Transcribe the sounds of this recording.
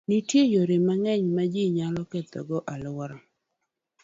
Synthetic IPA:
nitjejoɾemaŋɛɲmad͡ʒiɲalɔkɛt̪ɔ̰ɡɔʔalʊwɾɔ

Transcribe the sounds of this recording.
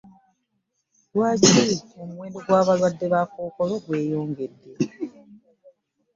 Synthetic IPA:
lwaːciomuwe̞ːndeɡwaːβalwadːe̞βaːkoːko̞lo̞ɡwe̞ːjo̞ːŋɡe̞dːe̞

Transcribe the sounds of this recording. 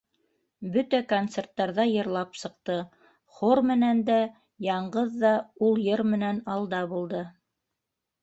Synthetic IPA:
bɵt̪ækont̪sert̪ːɑɾðɑjɤ̆ɾlˠɑpsɤ̆q̚t̪ɤ | χoɾmɘ̆nænd̪æ | jɑɴɢɤðːɑulˠjɤɾmɘ̆nænɑlˠd̪ɑbulˠd̪ɤ

